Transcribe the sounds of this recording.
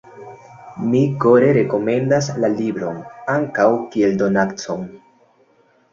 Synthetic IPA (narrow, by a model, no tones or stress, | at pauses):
miko̞ɾe̞ɾe̞ko̞me̞ndaslalibɾo̞naŋkawkie̞ldo̞nakt͡son